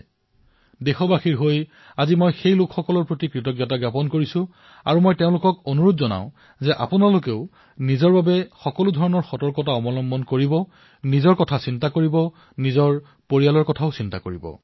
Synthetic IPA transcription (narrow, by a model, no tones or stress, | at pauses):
dexɔbaxiɹɦoj | azimojxejlʊkxɔkɔlɔɹpɹotikɹitɔɡjɔtaɡjapɔnkoɹisʊ̃ | a̰ɹumojteʊ̃lʊkɔkonuɹutzɔna̰ʊ̃ | zɛʔa̰pʊnalʊkeʊ | nizɔɹbabɛxɔkɔlʊdʱɔɹɔnɔɹxɔtɔɹkɔtaɔmɔlɔmbɔnkoɹibɔ | nizɔɹkɔtʰasintakoɹibɔ | nizɔɹ | poɹialɔɹkɔtʰaʊsintakoɹibɔ̰